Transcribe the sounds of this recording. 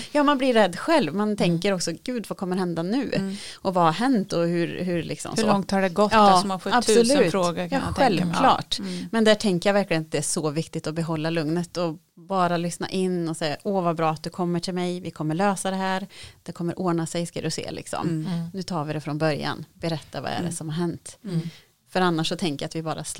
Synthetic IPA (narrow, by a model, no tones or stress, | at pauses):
jɑːmanblɪɾːɛd̪ːɧɛlvmant̪ʰɛŋkəɾɔksɔɡʉ̟ːd̪vakʰɔmːəɾhɛnd̪anʉ̟ːɔvahaɾɦɛnt̪ɔhʉɾɦɵɾlɪ̰ksɔ̰mhlːɔŋt̪haɖɛɡɔtɑɔmafɔabbɔlʉːfɾoːɡakjaːɛlkʰlɑ̰ːʈmɛnd̪æʈʰɛŋkəjavæɾklɪɡənat̪̚d̪ɛæʂɔvɪkt̪ɪt̪ɔbɛɦɔlːalɵŋnət̪ɔ | bɑːɾalʏsna̰ʔɪnːɔsɛjːaʔovabɾɑːat̪̚d̪ɵkʰɔmːəʈʰɪlmɛjvɪkʰɔmːəɭøːsad̪ɛɦæːɾd̪̥ɛkʰɔmːəɾʔoːɳasɛjskad̪ɵsḛːlʔɪ̰ksɔ̰mnʉ̟ːt̪ʰɑːvɪd̪ɛfɾɔnbœɾja̰nbɛɾɛt̪ʰːava̰ɛ̰ɖɛ̰sɔmhaɾɦɛnt̪ | fœɾanːaʂːɔt̪ʰɛŋkəjat̪vɪbɑːɾas